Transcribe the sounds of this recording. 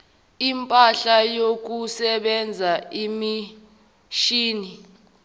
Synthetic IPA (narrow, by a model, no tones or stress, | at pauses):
impʼaɬajok̬usɛɓɛnd͡zʱaimi | ʃiːni